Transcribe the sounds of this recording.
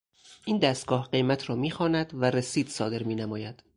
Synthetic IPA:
ʔiːnd̪æst̪̚ɡ̥ɒːhɢe̞jmæt̪ʰɾɒːmiːxɒːnæd̪væɾesiːd̪̥sɒːd̪e̞ɾmiːnæmɒːjæd̪̥

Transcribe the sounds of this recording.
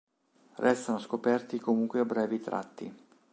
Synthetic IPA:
rɛst̪anoskopɛrt̪ikomuŋkweabɾɛːvit̪ɾa̰t̪ːḭ

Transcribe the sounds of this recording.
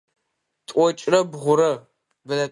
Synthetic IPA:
tʼʷɔt͡ʃʼrɐbʁʷʊɾɐ | bɨlɐ

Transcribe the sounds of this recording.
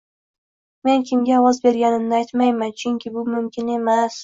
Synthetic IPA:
me̞nkʲʰɪmɡʲaːwɒzbe̞ɾɡʲanɪnnɪajt̪majmant͡ʃʰʊŋkʲʰɪbʊmʊmkʲɪne̞mas

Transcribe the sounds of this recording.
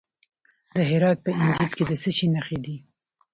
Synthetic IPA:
d̪əɦɪɾɑt̪̚pəɪnd͡ʒilked̪əsəʃinaxed̪i

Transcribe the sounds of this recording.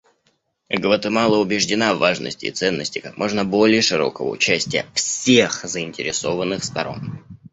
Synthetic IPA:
ɡvət̪ɨmɑlˠəʊbʲɪʐdʲɪnavːaʐnə̰sʲtʲɪ̰ːt̪sɛnːəsʲtʲɪkakmʔo̞ʐnəbo̞lʲɪjəʂɨɾo̞̰kəvə̰ʊ̰t͡ɕæsʲtʲɪjəfsʲexzəɪnʲtʲɪɾʲɪso̞vənːɨxst̪ɐɾo̞̰n

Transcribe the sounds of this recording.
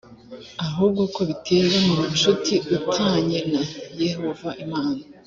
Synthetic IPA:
aɦuːb̚ɡokoβitʰe̞βamumuʃutʰiʔutʰaːɲenaje̞ho̞vaʔimaːna

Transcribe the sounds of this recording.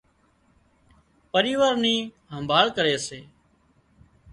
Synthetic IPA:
pəɾiːʋaːɾniː | ɦəmbʱaːɭkəɾeːseː

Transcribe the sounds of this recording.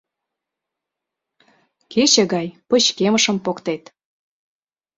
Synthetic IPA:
ket͡ɕĕɣɑjpə̆t͡ɕkeməʃə̆mpokt̪et̪

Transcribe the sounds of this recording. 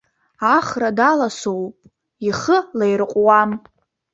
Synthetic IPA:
aχradalasowpʼ | iχəlejrɨqʷʼwam

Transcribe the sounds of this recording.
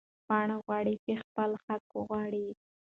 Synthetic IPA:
pɑɳaɣwɑɽit͡ʃexpəlxakoɣwɑɽi

